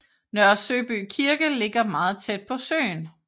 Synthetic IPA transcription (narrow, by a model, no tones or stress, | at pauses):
nœɐsø̰ːb̥yːkʰiɐɡ̥əle̝ɡ̥ɐmɑ̈ːð̞̩ˠt͡sʰed̥̚pʰɒ̽sø̰ːn